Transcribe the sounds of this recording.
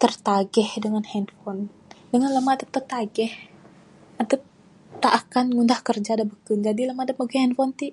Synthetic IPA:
t̪ərt̪aɡɛhdəŋanhɛnfɔn | dəŋanləmaːdəp̚t̪ərt̪aɡɛh | adəp̚ | t̪aʔːkanŋundahkərd͡ʒadabəkund͡ʒadiləmadəp̚maɡɛhɛnfɔnt̪i

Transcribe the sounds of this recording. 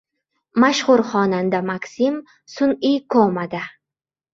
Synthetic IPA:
maʃhʊɾχɒnand̪amaksim | sʊnikʰomad̪a

